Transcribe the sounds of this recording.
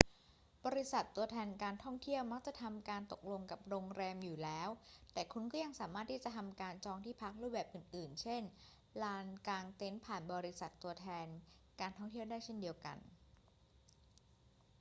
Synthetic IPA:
bɔː˧ɾi˦˥sa˨˩t̪ːu˧ɐt̪ʰɛː˧nkaː˧nt̪ʰɔ˥˩ŋt̪ʰi˥˩əwma˦˥k̚t͡ɕa˨˩ʔt̪ʰa˧mkaː˧nt̪o˨˩k̚lo˧ŋka˨˩p̚ɾoː˧ŋɾɛː˧mjuː˨˩lɛː˦˥wt̪ɛː˨˩kʰu˧nkɔː˥˩ja˧ŋsaː˩˦maː˥˩t̪ʰːiː˥˩t͡ɕa˨˩t̪ʰa˧mkaː˧nt͡ɕɔː˧ŋt̪ʰiː˥˩pʰa˦˥k̚ɾuː˥˩p̚bɛː˨˩p̚ʔɯː˨˩nʔɯː˨˩nt͡ɕʰe˥˩n | laː˧nkaː˧ŋt̪e˦˥npʰaː˨˩nbɔː˧ɾi˦˥sa˨˩t̪ːu˧ɐt̪ʰɛː˧nkaː˧nt̪ʰɔ˥˩ŋt̪ʰi˥˩əwdaː˥˩jt͡ɕʰe˥˩ndi˧əwka̰˧n

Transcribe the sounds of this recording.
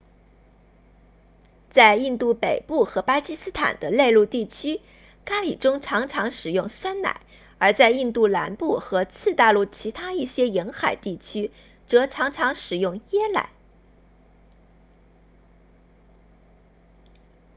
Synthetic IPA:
t͡sa˥˧ɪi˥˧nt̪u˥˩pe˨˩ɪpu˥˩xɤ˧˥pa˥t͡ɕi˥sɹ̩˥t̪ʰa̰˨˩nd̪ə˦le˥˧ɪlu˥˧t̪i˥˩t͡ɕʰy˥ | ka˥lḭ˨˩ʈ͡ʂʊ˥ŋʈ͡ʂʰɑ˧˥ŋʈ͡ʂʰɑ˧˥ŋʂɻ̩˨˩jʊ˥˩ŋswa˥nna̰˨˩˦ɪ | ə˞˧˥t͡sa˥˧ɪi˥˧nt̪u˥˩la˧˥npu˥˩xɤ˧˥t͡sʰɹ̩˥˧t̪a˥˧lu˥˩t͡ɕʰi˧˥t̪ʰa˥i˥˩ɕjɛ˥ji˧˥ŋxa˨˩ɪt̪i˥˩t͡ɕʰy˥ | ʈ͡ʂɤ˧˥ʈ͡ʂʰɑ˧˥ŋʈ͡ʂʰɑ˧˥ŋʂɻ̩˨˩jʊ˥˩ŋjɛ˥la̰˨˧˩ɪ

